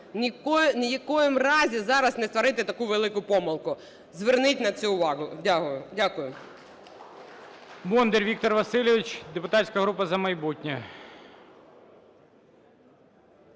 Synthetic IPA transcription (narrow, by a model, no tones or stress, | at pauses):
nʲiknjɐkɔjɪmrɑzʲizɑɾɐsnɛst̪ʋɐɾɪt̪ɪt̪ɐkuʋelˠɪkʊpɔmɐlˠkʊ | zʋernɪtʲnɐt͡sʲuʊʋɑɦʊdʲaɦʊjʊdʲakʊjʊ | mɔnd̪eɾʲʋʲik̚t̪ɔrʋɐsɪlʲeʋʲit͡ʃd̪epʊt̪ɑtʲsʲkɐɦɾupɐzɐmɐjbutʲnʲɐ